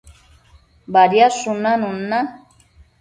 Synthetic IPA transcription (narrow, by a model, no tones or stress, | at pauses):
baɾjasʊnanʊnːa